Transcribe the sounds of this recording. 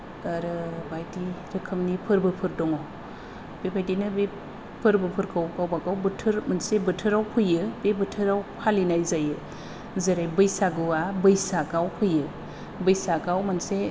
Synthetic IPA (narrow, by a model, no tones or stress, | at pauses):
aɾɯbajtiɾɯkʰɯmnipʰɯɾbɯpʰɯɾdɔŋɔw | b̥ebʰajtinɯbe | pʰɯɾbɯpʰɯɾkʰawkʰawbakawbɯtʰɯɾmansebɯtʰɯɾawkʰɯjɯbebɯtʰɯɾawpʰalinajzajɯ | zɯɾajbɯjsaɡɯabɯjsakawkʰɯjɯ | bɯjsakawmanse